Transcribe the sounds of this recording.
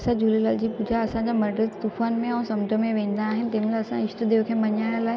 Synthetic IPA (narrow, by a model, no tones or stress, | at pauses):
sad͡ʑulelaːld͡ʑiːpʊd͡ʑʱaɐsãɲd͡ʑamɐɖəst̪ufaːnmẽãːsɐmʈəmẽʋẽːn̆d̪aːɦɪnɪt̪ẽːnlaɐsãɪʃʈ̪əd̪eːʋkʰẽbɐɲaːjəlaːɦe